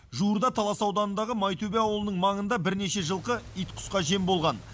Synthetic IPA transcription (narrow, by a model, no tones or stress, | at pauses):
ʒuəɾd̪ɑt̪ʰɑlˠɑsɑwd̪ɑnənd̪ɑʁəmɑjt̪ʰobeɑwəlˠənəɴmɑɴənd̪ɑbɪɾne̞ʃe̞ʒəlˠqəijt̪qʰʊ̥sqɑʒe̞mbo̞lˠʁɑn